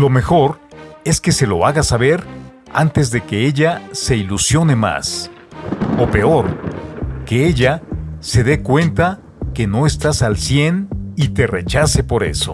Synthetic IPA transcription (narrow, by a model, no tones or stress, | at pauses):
lo̞me̞xo̞ɾe̞ske̞se̞lo̞aɣasaβe̞ɾ | a̰nt̪e̞zðe̞ke̞e̞ʝase̞ilusjo̞ne̞ma̰s | o̞pe̞o̞ɾ | ke̞e̞ʝase̞ðe̞kwe̞nt̪a | ke̞no̞e̞st̪asalsjenit̪e̞re̞t͡ʃase̞po̞ɾe̞̰so̞̰